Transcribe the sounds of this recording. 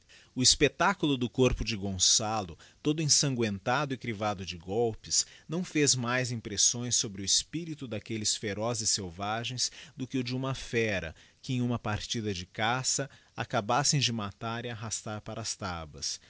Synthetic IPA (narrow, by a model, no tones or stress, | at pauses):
ʊispet̪akulʊd̪ʊkoɾpʊd͡ʒɪɡõsalʊt̪od̪ʊĩsɐ̃ŋɡwẽnt̪ad̪ʊikɾivad̪ʊd͡ʒɪɡɔwpɪsnɐ̃w̃fezmajzĩpɾesõj̃sːobɾɪʊispiɾit̪ʊd̪akelɪsfeɾɔzɪsewvaʒẽj̃sd̪ʊkɪʊd͡ʒɪũmɐfɛɾɐ̰kɪẽj̃ũmɐpaɾt͡ʃid̪ɐd͡ʒɪkasɐakabasẽj̃d͡ʒɪmat̪aɾiaɦast̪aɾpaɾɐːst̪abɐ̰s